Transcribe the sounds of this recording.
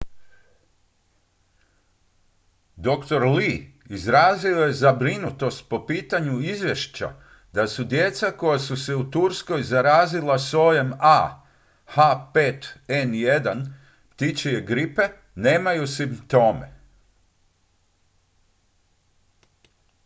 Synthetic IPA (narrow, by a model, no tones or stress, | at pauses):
d̪o̞kt̪o̞ɾliizɾaːzio̞je̞zabɾinut̪o̞st̪̚po̞piːt̪aɲuizʋʲje̞ʃt͡ɕa̰ | d̪asud̪je̞t̪sako̞jasuse̞ut̪uɾsko̞jzaɾaːzilaso̞jema | hapet̪enje̞d̪an | t̪it͡ʃejeɡɾipe̞ | ne̞ːmajusimpt̪o̞ːme̞̰